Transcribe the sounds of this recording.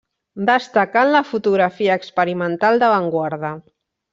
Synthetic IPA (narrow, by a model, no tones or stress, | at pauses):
d̪əst̪akanləfut̪uɣɾafiəːkspəɾimənt̪alˠd̪əβaŋɡwaɾðə